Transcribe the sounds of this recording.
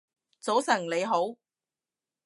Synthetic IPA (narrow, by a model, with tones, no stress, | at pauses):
t͡so˨˥wsɐ˨˩ŋle˨˧jɦo˨˥w